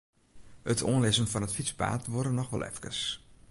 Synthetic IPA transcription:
ətʰo̰ənlɪsənfɑnətfispa̰ːtʋɔrdənɔxʋɛ̰lˠʔɛ̰fkəs

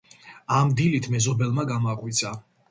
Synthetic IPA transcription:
amd̪ilit̪ʰmɛzɔbɛlˠmaɡamaqʼwit̪sʰa

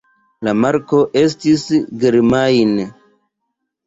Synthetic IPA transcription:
lamaɾko̞ʔe̞stisɡeɾmajn

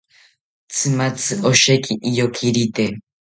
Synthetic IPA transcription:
t͡sʰɨmat͡sɨʔoʃekiʔːjokʰiɾit̪e

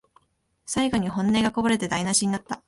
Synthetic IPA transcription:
saiɡo̞ɲ̟iɦõ̞nːe̞ːɡako̞baɾe̞t̪ed̪ainaɕiɲ̟inat̪ːa

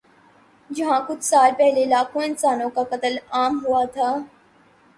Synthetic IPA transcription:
d͡ʒəɦãːkut̪saːlpɛɦleːlaːkʰuent͡saːnoːkakət̪əlaːmɦuaːt̪ʰaː

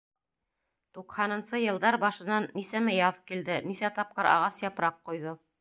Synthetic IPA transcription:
t̪uqhɑnɤ̆nsɤjɤ̆lˠd̪ɑɾbɑʃɤ̆nɑnːisæmɘjɑðkild̪ɘnisæt̪ɑp̚qɤɾɑ̰ʁɑsjɑpɾɑqːujðo

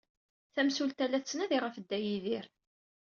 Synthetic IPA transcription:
θæmsult̪ælːæt͡sːnæðiʁəfəd̪ːæjiðiɾ

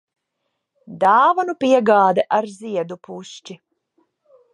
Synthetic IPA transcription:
d̪aːvɔnupiɛɡaːd̪ɛʔaɾziɛd̪upust͡ʃi

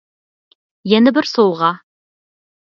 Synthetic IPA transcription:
jænɘbɘɾsowʁɑ

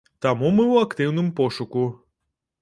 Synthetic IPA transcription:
t̪amumɨwɐkt̪ɪwnɨmpɔʃʊku

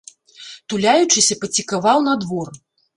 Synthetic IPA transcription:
t̪ulʲajut͡ʂɨsʲɐpɐt͡sʲikavawnɐd̪vɔr

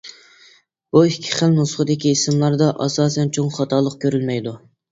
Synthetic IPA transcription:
b̥uikʲʰːi̥χəlnusəχəd̪ɪkʲiːsɪmlˠɑɾd̪ɑʔɑsɑːsɛnt͡ʃʰoŋχɑt̪ʰɑlˠːəq̚kʲøɾylmɛjd̪u

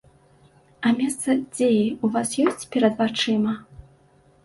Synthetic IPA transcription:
ɐmʲɛst̪sɐd͡zʲejiuvasjɔsʲt͡sʲpʲɛɾɐd̪vat͡ʂɨmɐ

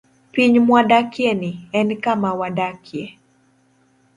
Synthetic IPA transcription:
piɲmwadakjenɪɛnkamawadakʰje

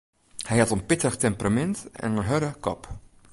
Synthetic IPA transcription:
hɛjɑtənpɪtəəχtɛmpramɛntɛ̰nənɦœɾəkɔp

